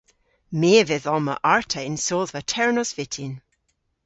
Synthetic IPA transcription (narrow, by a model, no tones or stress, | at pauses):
meːvɪðɔmə̰ʔaɹtʰəɪ̃nsolˠvətʰɛɹnɔzv̥ɪtʰin